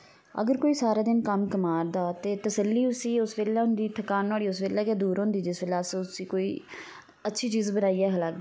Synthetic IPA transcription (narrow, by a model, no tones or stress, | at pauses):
ə̰ɡəɾkoːiːsaːɾaːd̪ɪnkəmkəmaːɾd̪aːt̪eːt̪əsəlːiːʊsiːʊsʋeːlɛːɦʊ̃nd̪iːt̪ʰəkaːnaːɽiːʊsʋeːlːɛːkeːd̪uːɾɦʊ̃nd̪iːd͡ʒɪsbeːlaːsʊsiːkoːiː | ətːʃʰiːt͡ʃiːzbənaːiːɛːɦlaɡeː